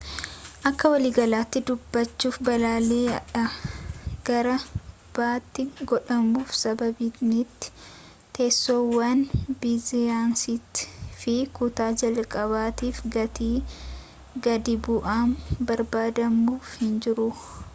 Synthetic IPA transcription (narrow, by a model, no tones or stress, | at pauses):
ʔɐkːɐwɐliːɡɐlaːt̪ːɪd̪ʊbːɐt͡ʃːuːfbɐlaːleːɐᶑɐ | ɡ̥ɐɾɐ | b̥aːt̪ːɪɡɔᶑɐmːuːfsɐbɐbinɪt̪ːɪ̥ | t̪eːsːoːwːɐnbɪzɪjaːnsɪt̪fɪkʊt̪aːd͡ʒɐlkʼɐβaːt̪iːfɡɐt̪iː | ɡɐd̪ɪbʊʔaːnbɐɾbaːd̪ɐmːuːfhɪnd͡ʒɪɾʊ